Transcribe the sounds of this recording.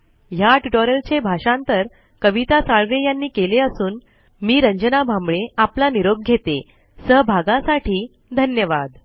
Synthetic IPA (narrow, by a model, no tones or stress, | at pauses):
jaʈiʈoɾəlt͡ɕebʱaʂãnt̪əɾ | kəʋit̪asaɭɾejanːiːkeleəsuːn | miːɾəɲd͡ʑənabʱambɭeaplaniɾob̚ɡʱet̪e | səɦbʱaɡasaʈʰiː | d̪ʱənjəʋad̪